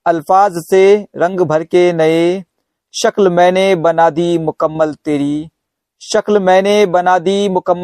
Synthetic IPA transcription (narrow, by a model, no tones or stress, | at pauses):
ɐlfaːzseɾɐ̃ŋɡbʱɐɾkenɐe | ʃəklmɛ̃ːnebɐnaːd̪imʊkəmːəlt̪eːɾiː | ʃəklmɛ̃ːnebɐnaːd̪imʊkəmː